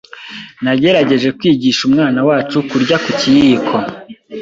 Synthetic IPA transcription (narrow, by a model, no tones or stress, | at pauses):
naɟe̞ɾaɟe̞ʒe̞kwiːɟiːʃumŋaːnawaːt͡ʃukuɾɟakucijiːkʰo̞